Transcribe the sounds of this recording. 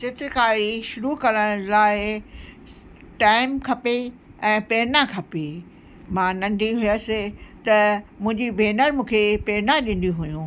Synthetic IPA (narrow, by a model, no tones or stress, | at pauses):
sɪt̪ɪkaːɾiʃʊɾukɐɾəɽ̃laːɪ | ʈaːɪmkʰɐpeɛ̃ːpeːɾnakʰɐpe | mãːnɐ̃ɳɖʱiɦʊjəsɪt̪ɐmʊ̃ɦɪ̃ɲd͡ʑibʱeːnəɾmũːkʰepeːɾnaɗɪ̃n̆d̪ũɦujũː